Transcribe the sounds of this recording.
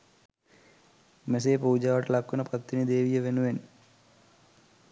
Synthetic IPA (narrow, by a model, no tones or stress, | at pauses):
mes̬eːpuːud͡ʒaːʋɐʈɐlakːunɐpɾɐt̪ːinid̪eːʋijɐʋenuʋen